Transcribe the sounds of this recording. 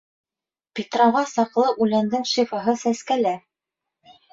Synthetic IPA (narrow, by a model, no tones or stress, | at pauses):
pʲit̪roʁɑsɑqlˠɤʔʉlænd̪ɘŋʃifaɦɤsæskælæ